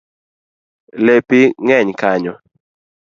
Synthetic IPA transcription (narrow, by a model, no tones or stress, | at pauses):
lepiŋɛɲkaɲɔ